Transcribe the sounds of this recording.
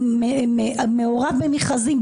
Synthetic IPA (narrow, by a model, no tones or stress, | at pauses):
meemeoʁavbemiχazim